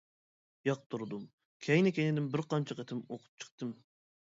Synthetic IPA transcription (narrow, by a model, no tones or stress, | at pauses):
jɑq̚t̪ʰuɾɨd̪um | kʲʰɛjnɪkʲʰɛjnɪd̪ɪmbɪɾqɑnt͡ʃʰɑqet̪ʰɪmoqʰʊ̥p̚t͡ʃʰə̥q̚t̪ɨm